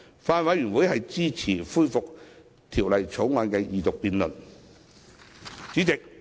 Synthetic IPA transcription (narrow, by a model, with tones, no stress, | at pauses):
faː˧nwɐ˨˥jːyː˨˩nwu˨˥jhɐ˨jt͡siː˥t͡sʰiː˨˩fuː˥jfʊ˨k̚ | t̪ʰiː˨˩wlɐ˨jt͡sʰo˨˥wŋɔː˧nkɛː˧jiː˨t̪ʊ˨k̚piː˧nlɵ˨˩n | t͡siː˨˥t͡sɪ˨k̚